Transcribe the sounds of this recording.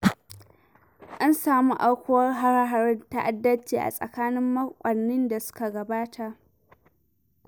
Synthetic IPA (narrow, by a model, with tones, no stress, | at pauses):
ʔa˦nsaː˨mu˦ʔa˦wkʷʊ˦wɐ˦rɦa˦ɾa˦ɦa˨ɾɪ˦nta˦ʔa˨dːɐ˦t͡ʃeː˨ʔa̰˨sʼɐ̰˨kaː˦nɪ˦mːɐ˦kʷʼɐ˨nːɪ˦nda˨sʊ̥˦ka˨ɡɐ˨baː˦tʰa˨ʔ